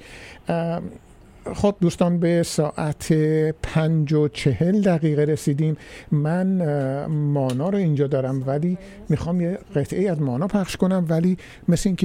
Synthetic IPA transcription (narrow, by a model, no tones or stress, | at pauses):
χob̚d̪uːst̪ɒːnbe̞sɒːʔæt̪ʰepʰænd͡ʒot͡ʃʰe̞he̞ld̪æɣiːɣeɾesiːd̪iːmmæn | mɒːnɒːɾoind͡ʒɒːd̪ɒːɾæmvæliː | mixɒːmjeɢe̞t̪ʰʔeiːæzmɒːnɒːpʰæχʃko̞næmvæliː | mesleiŋcʰe